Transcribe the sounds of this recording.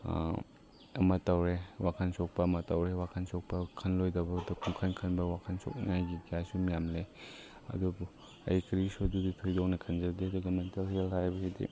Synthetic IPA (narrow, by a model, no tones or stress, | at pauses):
ɐ̰mɐtɐwɾewakʰansɔk̚pɐːmɐtɐwɾewakʰansɔk̚pɐkʰɐnlojdɐbɐdukʰuŋkʰankʰɐnbɐwakʰansɔ̰k̚najɡikijajsumijamle | ɐ̰dubu | ɐ̰jkɾisoduditʰojdɔwnekʰɐnzɐdidoɡɐmentelhelhajbɐsedḭ